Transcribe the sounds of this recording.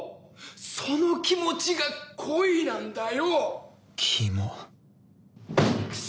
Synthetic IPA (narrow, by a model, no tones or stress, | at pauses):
so̞nokʲimo̞t͡ɕiɡakʰoinãnd̪ajo | kʲʰimo